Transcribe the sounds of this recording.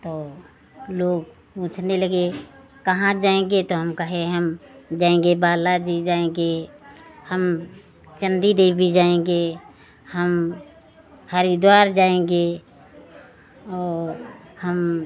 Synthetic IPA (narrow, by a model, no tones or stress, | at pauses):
t̪oː | loːɡ | pũːt͡ʃʰneləɡe | kɐɦãd͡ʒaːẽɡet̪oɦəmkəɦẽɦəmd͡ʒaːẽŋɡebaːlad͡ʒid͡ʒaːẽɡe | həm | t͡ʃə̃nd̪iɾebʱid͡ʒaːẽɡe | həm | həɾid̪waːɾd͡ʒaːẽɡe | ɔːɾhəm